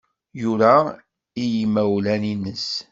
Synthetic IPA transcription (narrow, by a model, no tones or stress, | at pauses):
juɾæ | ijimːæwlæninəs